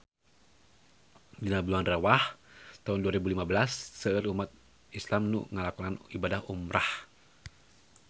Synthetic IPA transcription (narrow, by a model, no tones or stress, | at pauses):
dinabluanrawaht̪aunduaɾɛbulimabəlasːəərumat̪̚ | islamnṵŋəlakunanibadahumɾʔah